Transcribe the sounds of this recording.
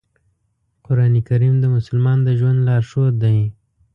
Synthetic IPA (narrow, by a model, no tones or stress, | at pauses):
qʊɾɑnikaɾimd̪əmʊsʊlmɑnd̪əʒwand̪lɑɾʃod̪aj